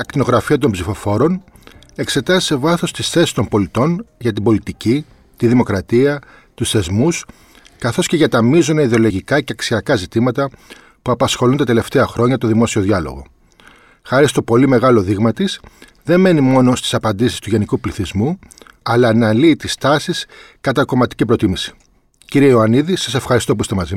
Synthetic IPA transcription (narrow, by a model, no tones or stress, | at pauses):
ɐkt̪ino̞ɣɾɐfiɐt̪o̞mbzifo̞fo̞ɾo̞n | e̞kse̞t̪ɐzi̥se̞vɐθo̞st̪isθesist̪o̞mbo̞lit̪o̞nʝɐt̪̬imbo̞lit̪ici | t̪iðimo̞kɾɐt̪iɐ | t̪usθe̞zmus | kɐθo̞sce̞ʝɐt̪ɐmizo̞nɐiðeo̞lo̞ʝikɐceɐksiɐkɐzit̪imɐt̪ɐ | puɐpɐsxo̞lunt̪ɐt̪e̞le̞ft̪e̞ɐxɾo̞ɲɐt̪o̞ðimo̞sio̞ðʝɐlo̞̰ɣo̞̰ | xɐɾist̪o̞po̞lime̞ɣɐlo̞ðiɣmɐt̪is | ðe̞mme̞nimo̞no̞st̪i̥sɐpɐnd̪isi̥st̪uʝe̞nikupliθizmu | ɐlɐːnɐliːt̪ist̪ɐsiskɐt̪ɐko̞mɐt̪i̥cipɾo̞t̪imisi̥ | ciɾieioɐniðisɐse̞fxɐɾist̪o̞poist̪emɐzi